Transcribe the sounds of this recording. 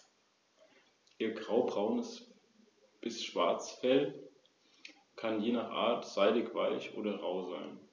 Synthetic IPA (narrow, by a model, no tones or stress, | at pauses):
ʔiːɐɡʁaʊbʁaʊnəs | b̥ɪsʃv̥aɐt͡sfɛl | kʰanjeːnaχʔa̰ːɐtz̥aɪdɪkv̥aɪçʔo̰ːdɐʁaʊzaɪn